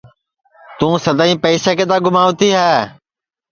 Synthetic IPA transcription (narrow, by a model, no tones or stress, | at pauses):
t̪ũːsəd̪aːĩːpəːseːkeːd̪aːɡʊmaːʋt̪ʰiːɦaːɦ